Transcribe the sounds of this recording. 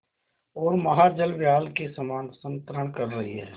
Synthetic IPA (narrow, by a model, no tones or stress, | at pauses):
ɔːɾmɐɦad͡ʒəlʋjaːlkesɐmaːnsə̃nt̪ɾəɳ̃kɐɾːɐɦiɦɛ̰ː